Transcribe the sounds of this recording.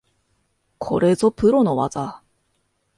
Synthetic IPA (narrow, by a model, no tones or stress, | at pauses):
kʰo̞̰ɾe̞zopɯ̟ɾo̞no̞βa̰za